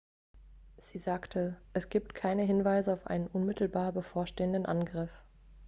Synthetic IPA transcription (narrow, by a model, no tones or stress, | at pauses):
z̥iːzaːktʰəʔɛsɡ̥iːp̚tkʰaɪnəɦɪnvaɪzəaʊfʔa̰ɪnənʔʊnmɪtl̩baːɐbəfoːɐʃteːəndənʔanɡʁɪf